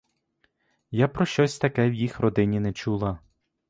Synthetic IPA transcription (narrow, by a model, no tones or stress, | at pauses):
japɾɔʃt͡ʃɔsʲt̪ɐkɛwjixrɔd̪ɪnʲinɛt͡ʃulˠɐ